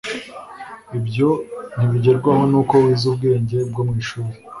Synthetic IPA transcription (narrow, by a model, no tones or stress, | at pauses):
ibɟo̞n̥iβiɟe̞ɾɡwaho̞nuko̞wiːzub̚ɡe̞ːɲɟe̞bɡomŋiːʃuːɾe